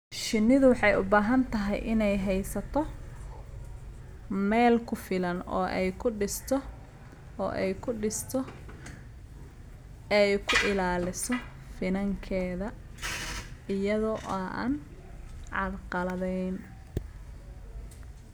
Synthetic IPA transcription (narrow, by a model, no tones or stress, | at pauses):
ʃɪnːɪðʊwɑħɑjʊbaːɦɐnt̪ʰɐɦɛ̰jʔɪnɛjɦɛjsɐt̪ʰɔ | mɛːlkʰʊfɪlɐnɔ̰ːʔɛ̰jkʰʊɪst̪ʰ | ɔ̰ːʔɛ̰jkʰʊɪst̪ʰɔ | ɛɛjkʰʊʔɪlaːlɪsɔ | fɪnɐŋkʰɛːðɐ | ɪjɐðɔʔɐʔn | ʕɑdqɑlɐðɛjn